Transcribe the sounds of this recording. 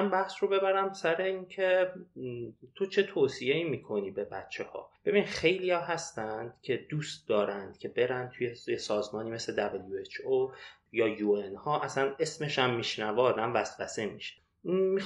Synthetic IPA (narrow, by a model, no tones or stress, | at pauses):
nbæhsɾo̞be̞bæɾæmsæɾe̞incʰe | t̪ʰot͡ʃʰe̞t̪ʰoːsieiːmiːkʰo̞niːbe̞bæt̪t͡ʃʰːe̞hɒ̰ːb̥e̞binxe̞jlijɒːɦæst̪ænd̪̥cʲʰe̞d̪̥uːst̪̚d̪ɒːɾænd̪̥cʰe̞be̞ɾænd̪̚t̪ʰujejesɒːzmɒːniːme̞sle̞d̪æbeljuet͡ʃʰo | jɒːjuenhɒːʔæsæne̞sme̞ʃæmːiʃnævɛɒːd̪æmvæst̪væsemiʃe̥ | mi